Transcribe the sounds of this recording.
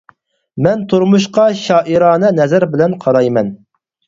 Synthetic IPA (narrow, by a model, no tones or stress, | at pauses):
mɛnt̪ʰuɾmuʃqɑʃɑːʔiɾɑːnɨnɛzæɾbɪlɛnqʰɑɾɑjmɛn